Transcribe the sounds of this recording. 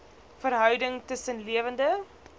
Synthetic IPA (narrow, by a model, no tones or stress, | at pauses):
fəɾɦœwdəŋtəsənliəvəndə